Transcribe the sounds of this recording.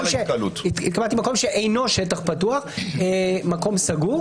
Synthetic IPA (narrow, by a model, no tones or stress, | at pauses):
mʃekɐlut̪it̪kamalt̪imako̞mʃeʔejno̞ʃetaχpatuaχ | mako̞msaɡu